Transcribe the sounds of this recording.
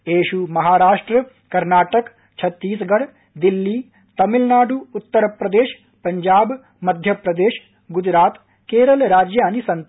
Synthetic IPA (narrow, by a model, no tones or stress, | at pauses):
eːʃumɐɦaːɾaːʂʈɾɐ | kɐɾnaːʈɐk | t͡ʃʰɐt̪ːiːsɡɐɽ | d̪ilːi | t̪ɐmilnaːɖuːt̪ːɐɾɐpɾɐd̪eːʃ | pɐɲd͡ʒaːb | mɐd̪ʱjɐpɾɐd̪eːʃ | ɡud͡ʒɾaːt̪ | keːɾɐlɾaːd͡ʒjaːnisɐnt̪